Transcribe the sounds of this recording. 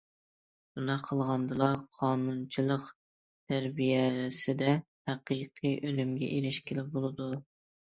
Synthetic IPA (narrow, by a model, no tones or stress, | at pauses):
bunɑqʰəlˠʁɑnd̪ɨlˠɑqʰːɑːnunt͡ʃʰilˠəq | t̪ʰæɾbijɛsɪd̪ɛ | hæqʰiqʰiʔølymɡʲɛ̰ʔeɾɪʃkʲelɪp̚bolˠɨd̪u